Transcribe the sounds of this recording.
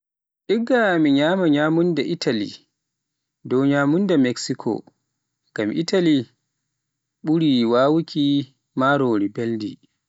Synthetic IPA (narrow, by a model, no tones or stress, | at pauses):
ʔiɡamiɲaːmaɲaːmundaʔitʰalḭ | dɔwɲaːmundamɛksikʰɔ̰ | ɡ̥amʔitʰali | ɓuɾiwaːwukʰʲi | maːɾoːɾibeldḭ